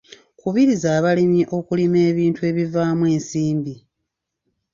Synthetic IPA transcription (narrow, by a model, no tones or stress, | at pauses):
kuβiɾizaːβalimiʔo̞kulime̞ːβiːntue̞ːβivaːmwe̞ːnsiːmbi